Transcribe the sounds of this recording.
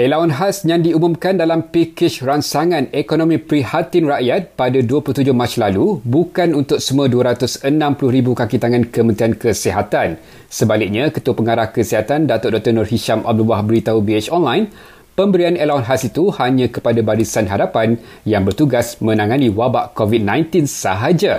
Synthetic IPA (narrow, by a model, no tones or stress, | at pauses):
ʔelaunɦasɲãndiumũmkandalampikɪt͡ʃransaŋãnekonõmĩpɾihat̪ɪnraʔjat̪̚padaduəpluht̪ud͡ʒʊhmat͡ʃlalubukanunt̪ʊk̚səmũaduəɾat̪ʊsənãmplʊhɾibukakit̪aŋãnkəmə̃nt̪ɾiankəsiɦat̪an | səbalɪk̚ɲakət̪uapəŋaɾahkəsiɦat̪andat̪ʊʔdɔt̪ənɔrɦiʃama̰b̚dubahbəɾit̪aubiet͡ʃɔnlajn | pəmbəɾianelaunɦasit̪uhaɲãkəpadabaɾisanɦadapan | jaŋbərt̪uɡasmə̃nãŋanĩwabaʔkovit̪̚nãjnt̪insəɦad͡ʒa